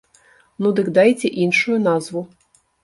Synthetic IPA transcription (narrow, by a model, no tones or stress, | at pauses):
nud̪ɨkd̪ajt͡sʲɛʔinʂujunazvu